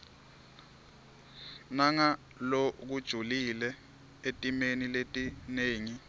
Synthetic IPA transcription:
naŋa | lok̬ud̥ʒ̥ʱulilɛ | etʼimeniletʼineːŋi

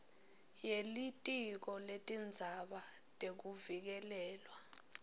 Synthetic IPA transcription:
jelitʼik̬ɔletʼind͡zʱaɓa | tʼek̬uvik̬ɛlɛːlwa

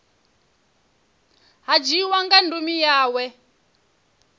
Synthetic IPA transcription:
ɦad͡ʒiwaŋɡandumijaːwɛ

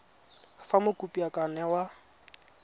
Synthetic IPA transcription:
famʊkʼupʼiakʼanɛwa

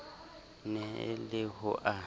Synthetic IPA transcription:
nɛ̰lɪhʊʔa

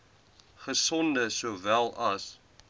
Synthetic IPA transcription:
χəsɔndəsoːvælˠɐs

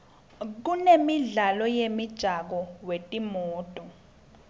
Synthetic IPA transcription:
k̬unemiɮalɔjemid̥ʒ̥ʱak̬ɔwetʼimɔːtʼɔ

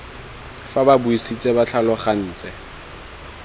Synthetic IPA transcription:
fababʊisit͡sʼebat͡ɬʰalɔχan̩ːt͡sʼɛ

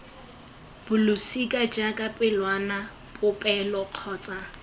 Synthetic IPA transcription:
b̥ʊlʊsikʼad͡ʒakʼapʼɪlwana | bʼʊpʼɛlɔq͡χʰɔːt͡sʼa

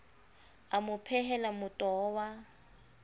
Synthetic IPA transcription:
amʊpʰɛɦɛlamʊtʼɔːwa

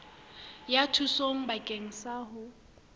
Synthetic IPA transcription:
jatʰusoŋ̩bakʼeŋ̩saɦʊ

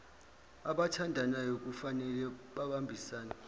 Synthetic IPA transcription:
aɓatʰandʱanajok̬ʼufanɛlɛɓaɓambʱisaːna

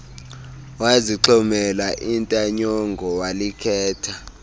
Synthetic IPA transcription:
waziǁʰɔmɛlaʔintʼaɲɔŋɡʱɔwalikʰɛːtʰa

